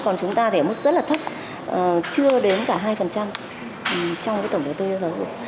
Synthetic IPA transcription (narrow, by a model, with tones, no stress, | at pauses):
kɔ˨˩nt͡ɕʊ˨˦ŋ͡mt̪aː˧t̪ɛ˧˩mə˦˥t̚zə˦˥t̚laː˨˩t̪ʰə˦˥p̚ | ʔə˨˩t͡ɕɨ˧əɗe˨˦nkaː˧˩ɦaː˧jfə˨˩nt͡ɕa˧m˨ | t͡ɕɔ˧wŋ͡mːt̪ə˧˩wŋ͡mɗə˨˩jt̪o˧jzaː˧zɔ˨˦zɨ̰˨˧˩ə